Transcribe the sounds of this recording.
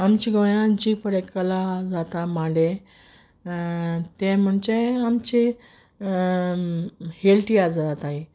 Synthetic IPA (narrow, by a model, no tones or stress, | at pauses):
amt͡ɕiɡəjãd͡ʑipəɽekəlad͡zat̪amale | t̪em̤əɳt͡ɕeamt͡ɕi | helʈiad͡zad͡zat̪aɦi